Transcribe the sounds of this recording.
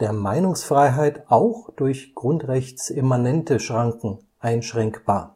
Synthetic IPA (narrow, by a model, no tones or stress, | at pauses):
d̥eːɐmaɪnʊŋsfʁ̥aɪɦaɪtʔaʊxd̥ʊɐçɡ̥ʁʊntʁɛçt͡sʔemanɛntəʃʁ̥aŋkŋ̩ | ʔaɪnʃʁ̥ɛŋkb̥aːɐ